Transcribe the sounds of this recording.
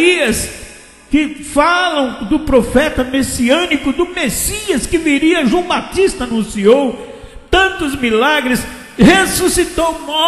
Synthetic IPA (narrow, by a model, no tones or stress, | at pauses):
iɐs | kɪfalɐ̃w̃d̪ʊpɾofɛt̪ɐmesiɐ̃nikʊd̪ʊmesiɐskɪviɾiɐʒɐ̃w̃bat̪ist̪ɐɐnũsiow | t̪ɐ̃nt̪ʊzmilaɡɾɪs | hesusit̪owmɔ